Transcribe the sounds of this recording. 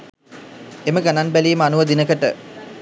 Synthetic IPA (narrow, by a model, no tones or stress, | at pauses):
eməɡananbælijəməanuʋəd̪inəkəʈə̰